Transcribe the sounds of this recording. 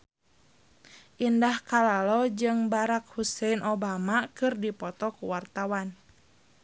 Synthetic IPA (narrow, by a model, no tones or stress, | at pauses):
ʔindahkalalɔd͡ʒɨŋbaɾak̚husɛinʔɔbamakɨrdipɔt̪ɔkuwart̪awan